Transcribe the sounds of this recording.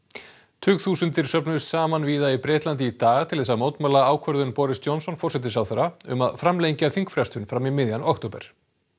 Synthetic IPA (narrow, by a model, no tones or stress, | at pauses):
t̪ʰʏːɣθuːsʏnt̪ɪɾ̥sœpnʏ̥saːmanviːðaipɾɛːt̪lant̪ɪit̪aːɣt̪ʰɪlθɛsamoːwt̪malaaːwkʰvœɾðʏnpɔɾɪsd͡ʒɔnsɔnfɔrsɛt̪̬ɪsawθɛɾaʏ̰maðfɾamlejɲcaθiŋkfɾɛst̪ʏnfɾamimɪðjanɔkt̪owpɛ̰ɾ̥